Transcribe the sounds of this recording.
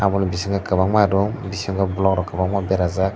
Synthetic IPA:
abɔlĩbisĩŋkakabamadɔbisĩŋkabulɔkɾɔkabamabɛɾazak

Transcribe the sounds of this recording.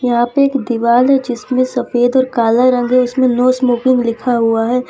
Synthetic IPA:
jɐɦãpeːkd̪ɪʋaːlɦɛd͡ʒɪsmẽsɐfeːd̪ɔːɾkaːlaɾɐ̃ŋɡɦɛʊsmẽnoːsmuːkɪ̃ŋɡlɪkʰaɦuaɦɛː

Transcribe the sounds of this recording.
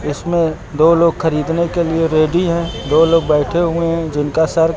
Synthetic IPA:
ɪsmẽ | d̪oːloːɡxɐɾiːd̪nekelieɾeːɖiɦɛ̃d̪oːloːɡ̚bɛːʈʰeɦʊeɦɛ̃d͡ʒɪnkasəɾ

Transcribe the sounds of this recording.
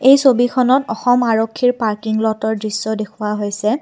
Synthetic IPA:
ejsobikʰɔnɔtɔxɔmaɹokʰːiɹpaɹkiŋlɔtɔɹdɹisːɔdekʰuwaɦojsɛ

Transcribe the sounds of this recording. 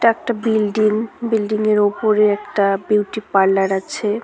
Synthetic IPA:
ʈaɛk̚ʈabilɖiŋbilɖiŋeɾopoɾeɛkʈabiwʈipaɾlaɾat͡ɕʰe

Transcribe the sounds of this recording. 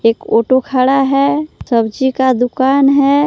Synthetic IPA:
eːkoːʈokʰaːɽaɦɛsəbd͡ʒikad̪ʊkaːnɦɛ

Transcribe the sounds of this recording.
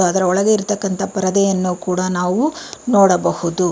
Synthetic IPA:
ɐd̪ɐɾɐɔɭɐɡeiɾt̪ɐkːɐnt̪ʰɐpɐɾɐd̪ɛjɐnːukuːɽɐnaːʋunoːɽɐbɐhud̪u

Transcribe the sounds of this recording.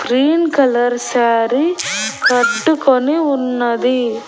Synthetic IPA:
kɾiːnkɐlɐɾsaːɾikɐʈːɯkːɔɳiʊnːɐðɯ

